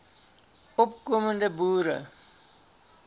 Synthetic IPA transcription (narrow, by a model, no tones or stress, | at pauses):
ɔpkɔməndəbuːɾə̰